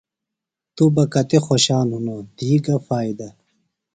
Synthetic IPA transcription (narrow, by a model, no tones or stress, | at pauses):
t̪ubɐkɐt̪exoɕaːnɦunod̪iːɡɐfaːid̪ɐ